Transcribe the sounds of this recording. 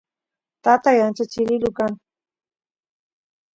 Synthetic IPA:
t̪at̪ajant͡ʃat͡ʃɪlɪlʊkaŋ

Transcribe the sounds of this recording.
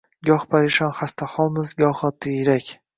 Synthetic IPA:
ɡʲɒχpʰaɾɪʃɒnχast̪ʰaχɒlˠmɪzɡʲɒχɒt̪ʰːɪɾakʲ

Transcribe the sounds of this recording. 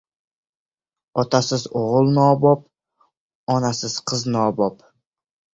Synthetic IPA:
ɒt̪ʰasɪzoʁʊlˠnɒːbɒp̚ | ɒnasɪz̥qʰɨznɒːbɒp

